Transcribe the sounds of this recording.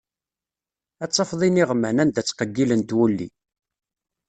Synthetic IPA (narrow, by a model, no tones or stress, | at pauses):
æt͡sˤːɑfðˤiniʁəmːænænd̪æt͡sːqəɡːilənt̪wulːḭ